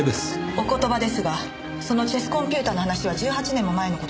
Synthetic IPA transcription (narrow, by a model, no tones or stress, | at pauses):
d̪eso̞ko̞t̪o̞bad̪e̞sɨɡa | so̞no̞t͡ɕesɨ̥kõ̞mpʲɯːt̪aːno̞ɦanaɕiβ̞ad͡ʑɨːɦat͡ɕinẽ̞mːo̞mae̞no̞kot̪o